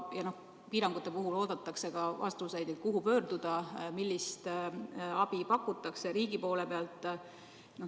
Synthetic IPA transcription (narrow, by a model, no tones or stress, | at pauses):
jɑno̞h | piːɾɑŋɡ̥ut̪ːˑe̞puɦulo̞ːd̪̥ɑt̪ːˑɑkse̞ɡɑvɑ̰st̪usejd̪ekuɦupø̞ːrd̪̥ud̪̥ɑmilːist̪ | ɑb̥ipɑkːut̪ːˑɑkseɾiːɡ̥ipo̞ːle̞pe̞ɑlt̪ˑː | no